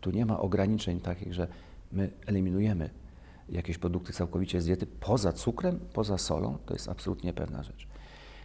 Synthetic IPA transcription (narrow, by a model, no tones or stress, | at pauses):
t̪uɲɛma̰ʔɔɡɾaɲit͡ʂɛɲt̪akʲiɣʐɛ | mɘɛlʲimʲinujɛmɘ | jakʲeɕpɾɔd̪uk̚t̪ɘt̪sawkɔvʲit͡ɕɛzbʲjɛt̪ɘpʰɔzat̪sukɾɛmpɔzasɔ̰lɔ̰̃w̃t̪ɔ̰jɛ̰st̪a̰psɔlut̪ɲɛpɛ̰vna̰ʐɛt͡ʂ